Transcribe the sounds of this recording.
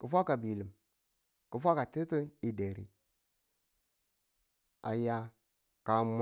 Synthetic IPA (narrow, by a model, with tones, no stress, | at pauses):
kə˨fʷa˦ka˨bi˨lə˨m | kə˨fʷa˦ka˨te˦tə˦i˨de˨ɾḭ˨ | a̰˨ja˦ | ka˨m